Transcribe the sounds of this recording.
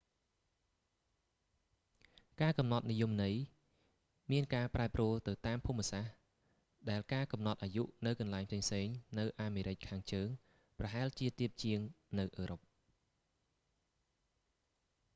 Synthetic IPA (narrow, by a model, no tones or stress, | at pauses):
kaːkɑmnɑt̪̚nijumnɨj | miənkaːpraɛpruəlt̪ɨwt̪aːmpʰumːəsah | ɗaɛlkaːkɑmnɑt̪̚ʔaːjuʔnɨwkɑnlaɛŋpʰseːŋpseːŋnɨwʔaːmeːɾɨc̚kʰaːŋt͡ɕəːŋ | prɑɦaɛlt͡ɕiət̪iəp̚t͡ɕiəŋnɨwʔəːɾop̚